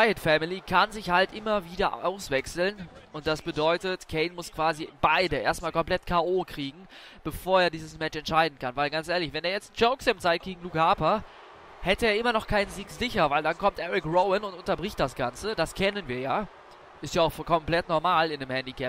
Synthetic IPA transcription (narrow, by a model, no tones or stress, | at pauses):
aɪətfɛmilikʰanzɪçhaltʔɪmɐviːdɐʔa̰ʊsv̥ɛksl̩nʊnt̚d̥asb̥ədɔʏtətkʰɛɪnmʊskv̥aːzib̥aɪdəʔeːɐstmaːlkʰɔmpl̥ɛtkʰaːʔoːkʁ̥iːɡŋ̩b̥əfoːɐeːɐdiːzəsmɛt͡ʃɛntʃaɪdn̩kanvaɪlɡant͡sʔeːɐlɪçvɛndeːɐjɛt͡std͡ʒ̥oʊksɪmt͡saɪt̚ɡ̥eːɡŋ̩luːkaːpɐ | hɛtəeːɐʔɪmɐnɔχkʰaɪnənziːkz̥ɪçɐvaɪldankʰɔmtʔɛʁɪkʁoʊənʊntʊntɐbʁɪçt̚d̥asɡ̥ant͡səd̥askʰɛnənviːɐjaː | ʔɪstjaːaʊxfkʰɔmpl̥ɛtnɔɐmaːlɪndemhɛndikʰɛp